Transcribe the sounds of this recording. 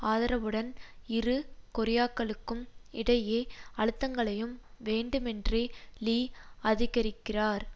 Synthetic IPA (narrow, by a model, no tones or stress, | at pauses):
aːðɐɾɐʋɯɽɐnɪɾɯkʊɾɪjaːkːɐɭɯkːɯmɪɽɐjeːɐɻɯt̪ːɐŋɡɐɭɐjɯmʋeːɳɖɯmɛndreːliːɐðɪɣɐɾɪkːɪraːɾ